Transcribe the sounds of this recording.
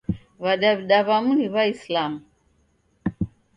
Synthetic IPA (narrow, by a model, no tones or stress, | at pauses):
βaɗaβiɗaβamuniβaislamu